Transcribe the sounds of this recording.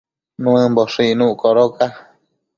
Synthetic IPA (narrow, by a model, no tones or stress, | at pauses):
nũɨ̃mboʂinũʔkoɾoka